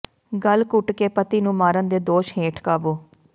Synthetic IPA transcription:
ɡəlkʊʈkeːpət̪iːnũːmaːɾənd̪eːd̪oːʃheːʈʰkaːboː

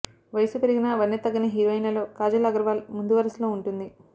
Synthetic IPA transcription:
ʋɐjsupeɾiɡinɐʋɐnːet̪ːɐɡɐnɐɦiɾoːɐjnɐlo̞ːkaːd͡ʒɐlɐɡɐɾʋaːlmund̪uʋɐɾɐsloːuɳʈund̪i

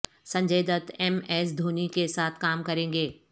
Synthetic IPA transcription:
sɐ̃ɲd͡ʒeːd̪ət̪ɛmɛːsd̪ʱoːnikesaːt̪ʰkaːmkɐɾẽːŋɡeː

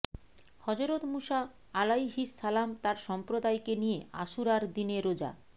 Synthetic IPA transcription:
hɔd͡ʑoɾot̪muʃa | alajɦisːalamt̪aɾʃɔmpɾod̪ajkenijea̰ʃuɾaɾd̪ineɾod͡ʑa̰

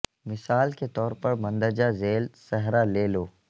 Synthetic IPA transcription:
mɪsaːlket̪ɔːɾpɐɾmɐ̃nd̪əd͡ʒazeːlsɛɦɾaleːloː

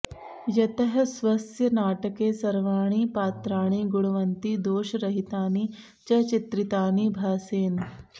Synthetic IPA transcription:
jɐt̪ɐɦɐsʋɐsjɐnaːʈɐkeːsɐɾʋaːɳ̃iːpaːt̪ɾaːɳ̃iːɡuɽɐʋɐnt̪id̪oːʃɐɾɐɦit̪aːni | t͡ʃɐt͡ʃit̪ɾit̪aːnibʱaːseːn

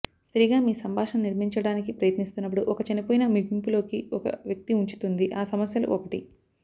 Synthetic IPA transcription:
st̪ɾiːɡaːmiːsɐmbʱaːʂɐmniɾmiɲt͡ʃɐɽaːnikipɾɐjɐt̪nist̪unːɐp̬ːuɽuʔɔkɐt͡ʃɐnipoːjinɐmiɡimpulo̞ːkiɔkɐ̰ʋjɐk̚t̪iuɲt͡ʃu̥t̪und̪iʔaːsɐmɐsjɐlṵʔɔkɐʈḭ

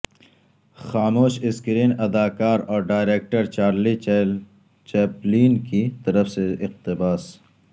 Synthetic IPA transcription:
xaːmoːʃɪskɾiːnɐd̪aːkaːɾɔːɾɖaːjɾeːk̚ʈəɾt͡ʃaːɾli | t͡ʃeːpliːnkit̪ɐɾəfseɪqt̪ɪbaːs

